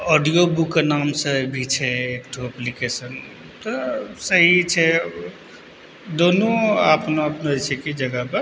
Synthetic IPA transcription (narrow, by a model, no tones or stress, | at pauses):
ɔɖijobukːenamsəbʱit͡ʃʰɛekʈʰoəplikesən | t̪ɔsəɦit͡ʃʰɛ | d̪onoapnoəpnot͡ʃʰekid͡ʒəɡəpe